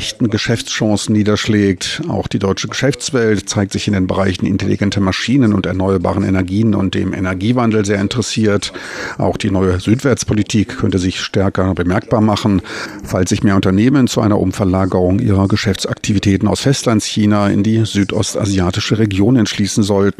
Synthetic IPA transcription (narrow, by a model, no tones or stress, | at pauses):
ɛçtn̩ɡəʃɛft͡sʃɑ̃ŋsn̩niːdɐʃlɛːk̚ta̰ʊxd̥iːdɔʏt͡ʃəɡəʃɛft͡sv̥ɛltt͡saɪk̚tz̥ɪçɪndeːnbəʁaɪçn̩ʔɪ̰ntelḭɡɛntəmaʃiːnənʊ̰ntɛ̰ɐnɔʏɐba̰ːʁənḛnɛɐɡiːənʊ̰nt̚d̥ḛːmʔḛnɛɐɡiːvandl̩zeːɐɪntəʁəsiːɐtʔa̰ʊxd̥iːnɔʏəzyːtv̥ɛɐt͡spʰolitʰiːkʰːœntəzɪçʃtɛɐkɐbəmɛɐk̚b̥aːɐmaχn̩falsz̥ɪçmeːɐʊntɐneːmənt͡suʔa̰ɪnɐ̰ʔʊmfɛɐlaːɡəʁʊŋʔḭːʁɐɡəʃɛft͡sʔa̰k̚tʰivitʰɛːtn̩a̰ʊsfɛstlantsçiːnaɪ̰ndiːzyːtʰʔɔ̰stʔa̰ziaːtɪʃəʁeɡjoːnɛntʃliːsn̩zɔltn̩